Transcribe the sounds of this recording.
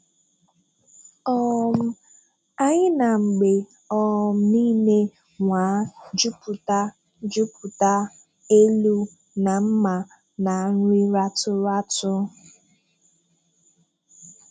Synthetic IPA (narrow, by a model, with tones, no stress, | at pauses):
ɔ˦˨m̩˦ | a˦ɲɪ˦na˨ŋ͡m̩˨ɡ͡be˨ | ɔ˨m̩˨˦niː˦ne˦ | ŋʷa˨˦d͡ʒu˦pu˨ta˦ | d͡ʒu˦pu˨ta˦ | e˦lu˦ | na˨m̩˦ma˨ | na˨n̩˦ɾi˦ɾa˦tʊ˦ɾa˦tʊ˦